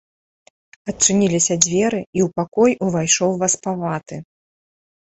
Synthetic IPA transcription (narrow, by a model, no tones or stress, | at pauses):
ɐt͡ʂɨnʲilʲisʲɐd͡zʲvʲɛɾɨiwpakɔjuvajʂɔwvaspavat̪ɨ